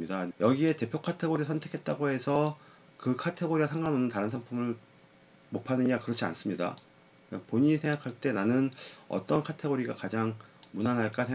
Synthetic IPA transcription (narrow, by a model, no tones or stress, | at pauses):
idajʌɡie̞te̞pʰjokʰatʰe̞ɡoɾisʰʌntʰe̞kʰe̞t̚t͈aɡoɦe̞sʰʌ | kɯkʰatʰe̞ɡoɾiɡasʰaŋɡanonɯntaɾɯnsʰaŋpʰumɯɭ | mopʰanɯɲakɯɾʌt͡ɕʰia̰ns͈ɯmɲida̰ | apoɲiɲisʰe̞ŋɡakʰaɭt͈e̞nanɯnʌ̰t͈ʌnkʰatʰe̞ɡoɾiɡakad͡ʑaŋmunanɦaɭk͈asʰeŋ